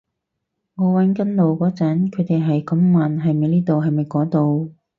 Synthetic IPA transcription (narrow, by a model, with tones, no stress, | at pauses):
ŋɔː˨˧wɐ˨˥nkɐ˥nlo˨wkɔː˨˥t͡sɐ˨˥nkʰɵ˨˧t̪e˨jɦɐ˨jkɐ˨˧˥mːaː˨nɦɐ˨jmɐ˨˧jliː˥t̪o˨wɦɐ˨jmɐ˨jkɔː˨˥t̪o˨˧w